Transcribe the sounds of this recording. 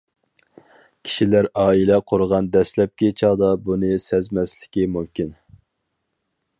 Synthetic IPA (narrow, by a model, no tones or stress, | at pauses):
kʲʰi̥ʃilæɾɑːilɛqʰoɾʁɑnd̪ɛslɛp̚kʲʰet͡ʃʰɑːd̪ɑbunɨsɛzmɛslɪkʲimumkʲin